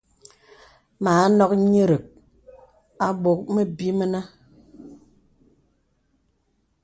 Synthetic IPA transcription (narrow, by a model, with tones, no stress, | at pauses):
maː˨˦nɔ˦k̚ɲi˦ɾɨ˨k̚ | a˦ɓo˦˨k̚mə˦bi˦mə˦na˦